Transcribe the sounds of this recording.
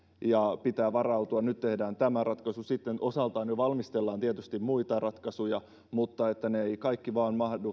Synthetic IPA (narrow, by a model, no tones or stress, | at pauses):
jɑpit̪æːʋɑrɑwt̪uɑnnyt̪t̪e̞hdæːnt̪æmærʔɑt̪kɑsusit̪ːenʔosɑlt̪ɑːnjoʋɑlmist̪elːɑːnt̪iet̪yst̪immuit̪ɑrɑt̪kɑsujɑ | mut̪ːɑet̪ːæneeikɑikːiʋɑːnmɑhdu